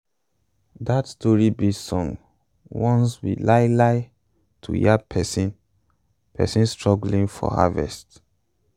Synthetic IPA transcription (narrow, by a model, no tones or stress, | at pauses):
datstɔɹibisɔ̃ŋ | wɔ̃nswḭlaɪlaɪ | tʰṵjapʰɛsĩn | pʰɛ̰sĩnstɹɔɡlĩŋfɔ̰ha̰vɛ̰st